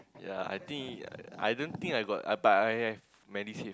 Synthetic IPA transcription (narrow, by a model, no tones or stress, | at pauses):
ja̰a̰jt̪ĩŋka̰a̰jdõnt̪ĩŋkajɡɔ̰ta̰batajɛv | mɛnise